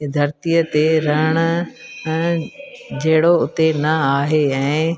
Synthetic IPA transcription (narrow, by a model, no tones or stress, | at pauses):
d̪ʱɐɾt̪ijət̪eɾɐɦəɽ̃ə̆̃ | d͡ʑeɦɪɽoʊt̪enɐaːɦeɛ̃ː